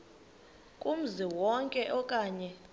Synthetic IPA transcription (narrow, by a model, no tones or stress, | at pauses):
kʼum̩ziwɔŋkʼɛʔɔkʼaːɲɛ